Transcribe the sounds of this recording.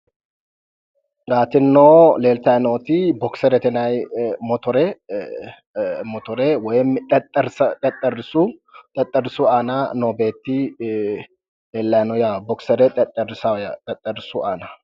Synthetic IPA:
ɡaːt̪ɪnːoːle̞ːlt̪ɐjnoːt̪ɪbɔksɛɾɛt̪ɛnajmɔt̪ɔɾɛ | mɔt̪ɔɾɛwɔjmt̪ʼt̪ʼːɐɾst̪ʼɐt̪ʼːɐɾɪsut̪ʼɐt̪ʼːɐɾɪsʊaːnanoːbe̞ːt̪ːɪ | leːlːɐjnɔjabɔksɛɾɛt̪ʼɛt̪ʼːɐɾɪsɐjat̪ʼɐt̪ʼːɐɾɪsʊʔaːnɐ

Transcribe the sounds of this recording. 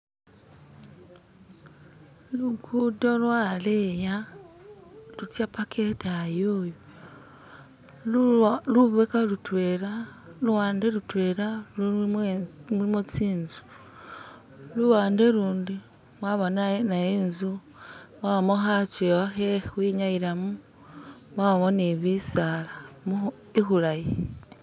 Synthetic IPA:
luɡudolwaleja | lutjapakʰetajoːjo | luβekalutweɾaluwaːndelutweɾalu | uimot͡siːnzu̥ | luwaːndeluːndi | mwaβonanajeːnzu | maβamoxat͡ʃewaxewiɲaiɾamu | mwaaβoneβisalamu | ixulaji

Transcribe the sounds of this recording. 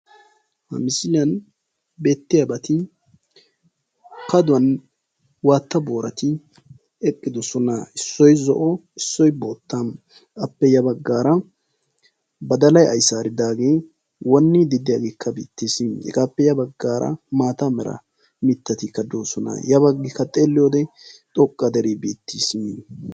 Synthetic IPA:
hɐ̰mɪsɪlɪjɐn | be̞ːt̪ːɪjɐbɐt̪ɪ | kɐd̪ʊwɐn | waːt̪ːɐbo̞ːɾɐt̪ɪ | ɛkʼːɪd̪ɔsɔnɐɪsːɔjzɔ̰ʔɔɪsːɔjboːt̪ːan | kʼɐpːɛjɐbɐɡːaːɾɐ | bɐd̪ɐlɐjɐjsaːɾɪd̪aːɡeː | wɔnːɪd̪ɪd̪ɪjaɡeːkːɐbḭːt̪ːishɛ̰ɡaːpːɛjɐbɐɡːaːɾɐ̰maːt̪ɐmɛɾɐ̰ | mɪt̪ːɐt̪ɪkːɐd̪oːsɔnɐ̰jɐβɐɡːɪkːɐt̪ʼeːlːɪjoːd̪ɛt̪ʼɔkʼːɐd̪ɛɾibeːt̪ːis

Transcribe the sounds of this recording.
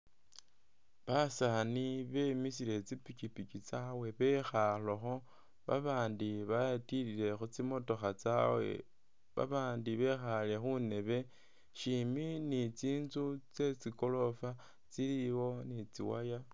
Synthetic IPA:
βasaniβe̞mis̬ile̞t͡sipikipikit͡sawe̞βe̞xaloxo̞ | βa̰βaːndiβajatiɾile̞xut͡simo̞to̞xat͡sawḛ | βa̰βaːndiβe̞xale̞xune̞βe̞ | ʃiminit͡siːnzut͡se̞t͡siko̞lo̞fa | t͡siliwo̞nit͡sḭwa̰ja

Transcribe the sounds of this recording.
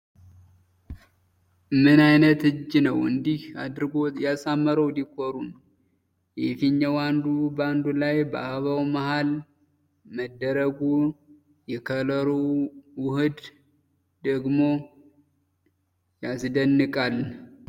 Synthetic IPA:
mɨnajnət̪ɨd͡ʒːinəwɨ̰nd̪ihad̪ɾɨɡojasamːəɾəwd̪ikʰoɾun | jɛfiɲːawand̪uband̪ulajbəʔaβawmahal | məd̪ːəɾəɡu | jɛkʰələɾowʊhɨd̪ | d̪əɡmo̞ | jasd̪ənːɨkʼal

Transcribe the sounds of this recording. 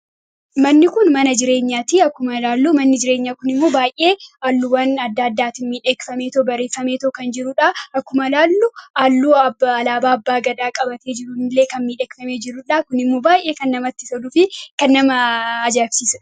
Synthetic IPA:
mɐnːɪkʊnmɐnɐd͡ʒɪɾe̞ːɲːaːt̪iɐkːʊmɐlaːlːuːmɐnːɪd͡ʒɪɾe̞ːɲːakʊnɪmːoːbaːjʔe̞ːalːʊwɐnɐd̪ːaːɐd̪ːaːt̪ɪnmiːᶑekfɐme̞ːt̪obɐɾe̞ːfːɐme̞ːt̪ɔkɐnd͡ʒɪɾʊᶑaɐkːʊmɐlaːlːuʔaːlːuːɐbɐlaːbaːɐbːaːɡɐd̪aːkʼɐbɐt̪e̞ːd͡ʒɪɾunleːkɐnmiːᶑɛːkfɐme̞ːd͡ʒɪɾʊᶑaːkʊnɪmːoːbaːjʔe̞ːkɐnːɐmɐt̪ːɪ̥sɐd̪ʊfɪkɐnːɐmɐːd͡ʒafsiːsɐ

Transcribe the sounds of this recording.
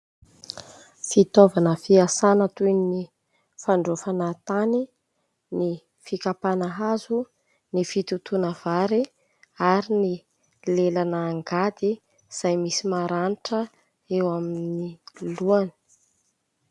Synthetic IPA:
fit̪ovanəfiasanət̪unni | faɳɖ͡ʐofanat̪ani | ni | fikapanaɦazu | nifit̪ut̪unəv̥aɾi | aɾini | lelanəːŋɡad̪i | z̥ajmisimaɾaniʈ͡ʂə | ewaminniluanə̥

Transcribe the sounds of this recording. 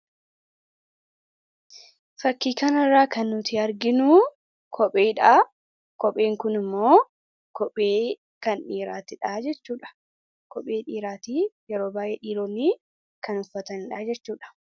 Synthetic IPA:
fɐkːiːkɐnɐrːaːkɐnːʊt̪ɪɐɾɡɪnʊ | kʰɔpʼeːᶑaː | kɔpʼeːŋkʊnɪmːo̞ː | kɔpʼeː | kɐnᶑiːɾa̰ːt̪ɪᶑaːd͡ʒɛt͡ʃːuːᶑɐ̥ | kɔpʼeːᶑiːɾaːt̪iːjɛɾoːbaːʔeːᶑiːɾoːnːiː | kɐnʊfɐt̪ɐnɪᶑaːd͡ʒɛt͡ʃːuːᶑɐ̥

